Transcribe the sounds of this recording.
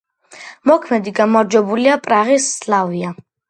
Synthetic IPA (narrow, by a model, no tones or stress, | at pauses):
mɔkʰmɛd̪iɡamaɾd͡ʒwɛbuliapʼɾaʁisːlˠavia